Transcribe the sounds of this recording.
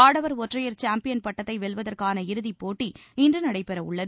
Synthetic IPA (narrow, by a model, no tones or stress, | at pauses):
aːɽɐʋɐɾɔʈrɐjɐɾt͡ʃaːmpɪjɐnpɐʈːɐt̪ːɐɪʋɛɭʋɐðɐrkaːnɐɪɾɯðipːoːʈːiɪndrɯnɐɽɐɪpɛɾɐʊɭːɐð